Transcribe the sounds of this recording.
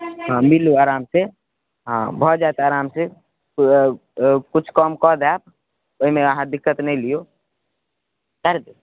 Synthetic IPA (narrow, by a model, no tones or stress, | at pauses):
ɦãmiluaːɾamse | ɦã̰bʱɔd͡ʒaet̪aːɾamse | kut͡ʃʰkɔmkɔd̪ab̚ | oɦimeəɦãd̪ikːət̪nɛjlijo | kəɾd̪e